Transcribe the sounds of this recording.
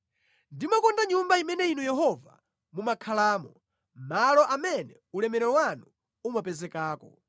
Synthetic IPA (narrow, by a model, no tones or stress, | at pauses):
ndimakɔndaɲumbaimɛnɛinujɛɦɔva | mumakʰalaːmɔ | m̩malɔʔamɛnɛ | ulɛmɛɾɛɔwanu | umapɛzɛkaːkɔ